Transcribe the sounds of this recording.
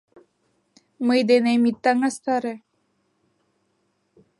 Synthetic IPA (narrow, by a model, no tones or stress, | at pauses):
məjd̪enemit̪ːaŋast̪aɾe